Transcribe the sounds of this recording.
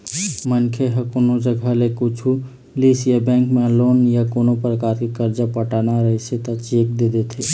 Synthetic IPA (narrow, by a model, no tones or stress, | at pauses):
mənkʰeɦəkoːnod͡ʒəɡʱalekut͡ʃʰu | liːsijabɛ̃ːŋkmẽloːnjakoːnopɾəkaːɾkikəɾd͡ʒapəʈaːnaɾəɦiset̪at͡ʃeːk̚d̪ed̪et̪ʰeː